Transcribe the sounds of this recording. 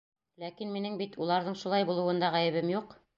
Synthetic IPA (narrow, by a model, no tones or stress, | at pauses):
lækinminɘŋbit̪ulˠɑɾðɤɴʃulˠɑjbulˠɤ̆wɤ̆nd̪ɑʁæjɘ̆βɘmjuq